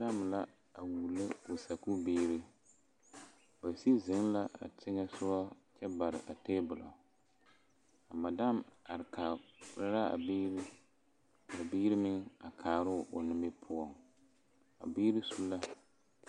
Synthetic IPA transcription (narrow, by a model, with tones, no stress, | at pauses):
da˦m˨la˦ | a˨wu˨lːɨ˦ʊ˨sa˨ku˦biː˦ɾɨ˦ | ba˨si˦zɪ˨˦ŋla˦a̰˨tɪ˦ŋɛ˦sʊ˦a˦t͡ʃɛ˦ba˨ɾɪ˨ʔa˨teː˦bʊ˨lɔ̰˨ | a˨ma˨da˦ma˨ɾkʰa˨˦ɾa˦ɾa˦a̰˨biː˦ɾi˦ | a˨biː˦ɾɨ˦mɪ˦ŋa˨kʰaː˨ɾʊ˦ʔʊ˨nɪ˦mbɪ˦pʰʊ˦ɔ˨ŋ | a̰˨biː˦ɾi˦su˦lːa˦